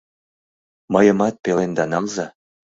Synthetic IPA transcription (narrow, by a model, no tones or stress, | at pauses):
mɤjɤ̆mɑt̪̚pelend̪ɑnɑlzɑ